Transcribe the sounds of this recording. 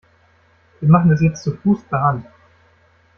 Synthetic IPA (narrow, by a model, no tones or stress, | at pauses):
viːɐmaχn̩ɛs̬jɛt͡stt͡sufuːspaːn